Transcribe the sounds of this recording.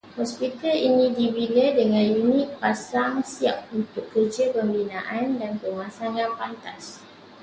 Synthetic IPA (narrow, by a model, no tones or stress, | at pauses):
hɔspit̪alinĩdibilədəŋãnjunĩʔ̚pasaŋsiap̚unt̪ʊkːəd͡ʒəpəmbinaʔandanpəmãsaŋãnpant̪as